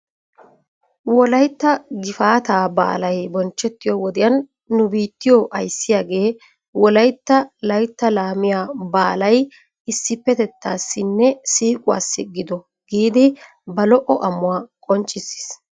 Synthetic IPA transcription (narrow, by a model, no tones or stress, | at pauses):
wɔlɐjt̪ːɐɡɪfaːt̪aːba̰ːlɐjbɔnt͡ʃːɛt̪ːɪjɔwɔd̪ɪjɐnː | ʊbiːt̪ːɪjɔʔɐjsːɪjaːɡe̞ː | wɔlɐjt̪ːɐlɐjt̪ːɐlaːmɪjaːbaːlɐj | ɪsːɪpːɛt̪ɛt̪ːaːsːɪnːɛsiːkʼʊwa̰ːsːɪɡɪd̪ɔ | ɡ̥iːd̪ɪ | bɐlɔʔɔʔɐmːʊwaːkʼɔnt͡ʃʼːɪsːɪ̥s